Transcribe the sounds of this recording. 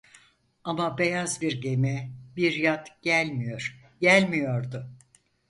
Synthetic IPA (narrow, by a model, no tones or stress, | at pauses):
amabe̞jazbiɾɟe̞mɛbiɾjat̪ɟ̥ælʲmijoɾ̥ | ɟælʲmijo̞ɾd̪ʊ